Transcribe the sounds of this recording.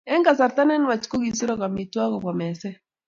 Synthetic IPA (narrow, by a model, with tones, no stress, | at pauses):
ɛ˦ŋɡa˨sa˨ɾta˦nɛ˦nwa˨t͡ʃko˦ɡi˨si˦ɾɔ˦ka˨mi˨twa˦kɔ˨ka˨mɛ˨sɛ˦